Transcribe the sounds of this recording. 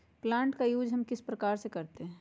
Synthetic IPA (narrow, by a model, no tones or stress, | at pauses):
plãːɳʈkajuːd͡ʒɦɐmkɪspɾɐkaːɾsekɐɾt̪eɦɛ̃